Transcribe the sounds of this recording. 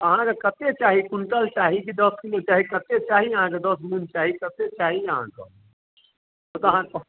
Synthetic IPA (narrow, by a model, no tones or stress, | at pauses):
əɦãkekət̪et͡ʃaɦikunʈəlt͡ʃaɦikid̪əskilõt͡ʃaːɦikət̪et͡ʃaɦiəɦãked̪əsmunt͡ʃaɦikət̪et͡ʃaɦiəɦã̰kə̰ | ot̪ɔəɦã